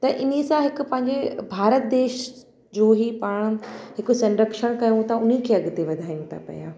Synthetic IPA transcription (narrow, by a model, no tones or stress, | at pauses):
t̪ɐʔɪnisãɦɪkʊ̆pɐ̃ɦɪ̃ɲd͡ʑebʱaːɾət̪̚d̪eːʃ | d͡ʑoːɦipaːɽ̃̆ɦɪkʊsɐ̃nɾəkʃəɽ̃kɐjũt̪ʰɐʊnikʰeɐɠt̪eʋɐd̪ʱaːjũt̪ʰa̰pɐ̰ja̰ː